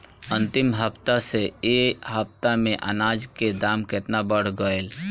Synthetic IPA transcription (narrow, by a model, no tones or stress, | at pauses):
ə̃nt̪ɪmɦəpt̪aseeːɦəp̚t̪amẽʔə̰naːd͡ʒked̪aːmket̪nabəɽ̤ɡəel